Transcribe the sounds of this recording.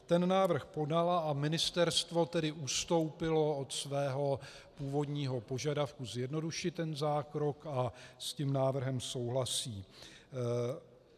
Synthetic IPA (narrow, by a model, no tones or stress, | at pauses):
t̪ɛnnaːvr̩xpo̞dalaʔamɪnɪst̪ɛɾst̪vo̞t̪ɛdɪʔust̪o̞wpɪlo̞ot̪svɛːɦo̞ | puːvo̞dɲiːɦo̞po̞ʒadafkuzjɛdno̞duʃɪt̪ɛnzaːkɾo̞kascimnaːvr̩ɦɛmso̞wɦlasiː